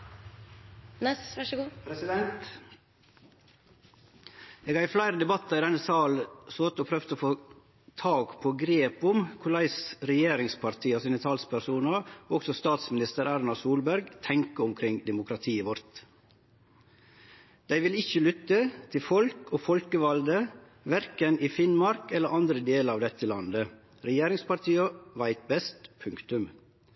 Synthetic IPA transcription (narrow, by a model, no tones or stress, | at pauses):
nɛsʋɑʂɡuːpɾɛsɪd̪ɛnt̪ | eːɡɑɪflæɪɾəd̪ɛbɑt̪ːɑɾɪd̪ɛnːəsɑːlsoːt̪əoːpʰɾœfd̪əoːfoː | t̪ʰɑːɡpʰoːɡɾeːpʊmkʰʊlæɪsɾɛjeːɾɪŋspʰɑɾt̪ʰiːɑsiːnət̪ʰɑlspʰæɾsuːnɑoɔɡsɔst̪ɑːt̪smɪnɪst̪əɾæɾnɑsuːlbæɾɡt̪ʰɛŋkəʊmkʰɾɪŋd̪ɛmʊkʰɾɑt̪ʰiːʋɔɾt̪ | d̪̥æɪʋɪlɪçəlʏt̪ːət̪ʰɪlfɔlkoːfɔlkəʋɑld̪ə | ʋæɾkənifɪnmɑɾkɛləɾʔɑnd̪ɾəd̪eːləɾɑːʋd̪ɛt̪ʰːəlɑnd̪ə | ɾɛjeːɾɪŋspɑɾt̪ʰiːɑʋæɪt̪̚bɛst̪pʰʉŋkt̪ʉm